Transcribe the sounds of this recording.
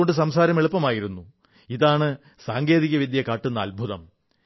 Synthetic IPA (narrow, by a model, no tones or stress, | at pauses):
oɳɖɨs̬ɐmsaːɾɐmeɭupːɐmaːjiɾunːu | iðaːɳɨ | saːŋɡe̞ːðiɣɐʋid̪jɐkːaːʈːunːɐɐlbʱuðɐm